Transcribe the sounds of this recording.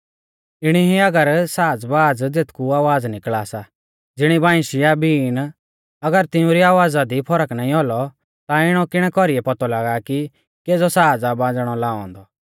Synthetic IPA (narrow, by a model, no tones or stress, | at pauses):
ɪɽ̃iɦiɐɡəɾsaːd͡zbaːd͡zd͡zet̪ʰkuaːʋaːd͡znɪkɭaːsa | d͡zɪɽ̃ibãːɪ̃ʃɪjabiːn | ɐɡəɾt̪ɪũɾiaːʋaːd͡zad̪ipʰɔɾəknaːĩɦɔlɔ | t̪aɪɽ̃ɔkɪɽ̃ɛkɔɾiɛpɔt̪ɔlaːɡaki | keːd͡zɔsaːd͡zabãːd͡zɽ̃ɔlaːɔ̰̃nd̪ɔ